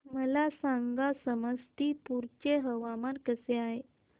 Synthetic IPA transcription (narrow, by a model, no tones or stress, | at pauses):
məlasãŋɡasəməst̪ipuɾt͡ɕeɦəʋamankəseaɦe